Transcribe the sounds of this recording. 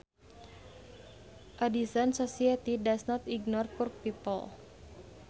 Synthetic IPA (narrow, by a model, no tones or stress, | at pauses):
ʔadisansosiat̪idasnɔt̪iɡnɔrpʊrk̚pipə̰l